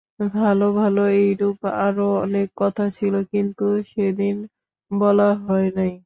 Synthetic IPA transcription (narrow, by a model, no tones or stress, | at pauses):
bʱalobʱaloejɾupa̰ɾoɔnekːɔt̪ʰat͡ɕʰilokint̪uʃed̪in | bɔlaɦɔenaj